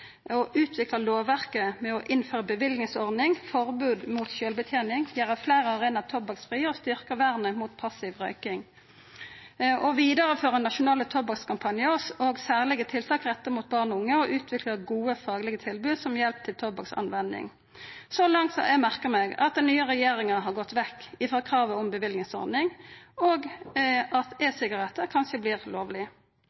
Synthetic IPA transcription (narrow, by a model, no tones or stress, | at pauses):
ɔʔʉːt̪ʰʋɪklɑloːʋæʁkəmɛɔʔɪnføːʁəbəʋɪld̪nɪŋsɔʁdnɪŋfɔʁbʉːd̪muːt̪ɕøːlbət̪ʰjeːnɪŋjæːʁəflæːʁəɑʁeːnɑt̪ʰɔbɑksfʁiːəɔst̪ʏʁkəʋæʁnəmut̪pʰɑsɪʋʁœʏkɪŋ | ɔʋiːd̪əʁəføːʁənɑʃʊnɑːlət̪ʰɔbɑkskʰɑmpʰɑnjəsoɡsæːʁlɪɡət̪ʰɪlt̪ʰɑːkʁɛt̪ːəmuːt̪̚bɑʁnʊŋːəɔʔʉːt̪ʰʋɪkləɡuːəfɑːɡlɪɡət̪ʰɪlbʉːd̪sɔmjɛlp̚t̪ʰɪlt̪ʰɔbɑksɑ̰nʋɛnd̪ɪ̰ŋ | sɔlɑŋt̪sɛɡmæʁkəʁmɛɡɑ̰t̪̚d̪ɛnnyːəʁɛjeːʁɪŋənɦɑʁɡɔt̪ːʋɛkːɪfʁɑːkʰʁɑːʋəɔmbəʋɪld̪nɪŋsɔ̰ʁnɪŋoːɡʔɑt̪ɛsɪɡɑʁɛt̪ːəʁkʰɑnʃəblɪːʁloːʋlɪ